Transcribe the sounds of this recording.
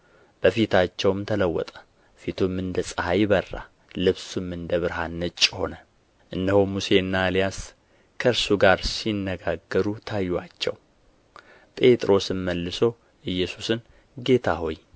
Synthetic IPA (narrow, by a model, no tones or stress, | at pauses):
b̥əfit̪ʰat͡ʃːɛwmt̪ʰələwːɔ̰t̪ʼə̥ | fit̪ʰumɨnd̪əsʼəhajβərːa̰ | lɨβsumːɨnd̪əβɨɾɦanːət͡ʃʼːho̞nə | ʔɨnd̪əhomuse̞ɨnːalijas | kʰəɨɾsuɡaɾsinːəɡaɡːəɾut̪ʰajːwat͡ʃːɛ̰w | pʼe̞t̪ʼɾo̞sɨmməlːɨso̞ | ʔɨjːɛsu̥sɨn | ɡe̞t̪ʰaɦo̞j